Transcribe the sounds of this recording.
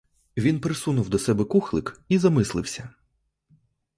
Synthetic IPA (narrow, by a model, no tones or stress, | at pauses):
ʋʲinpɾɪsunʊwd̪ɔsɛbɛkuxlˠɪkizɐmɪslˠɪ̰wsʲɐ